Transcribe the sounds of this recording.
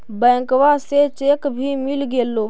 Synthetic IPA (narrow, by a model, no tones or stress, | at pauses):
bə̃kʋaset͡ʃekbʱiːmilɡeːlːoː